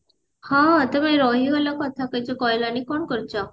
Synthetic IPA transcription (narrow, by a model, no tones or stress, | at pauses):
hãt̪əmeɾɔɦiəlakət̪ʰaked͡ʒekɔjlanikɔɳkəɾt͡ʃa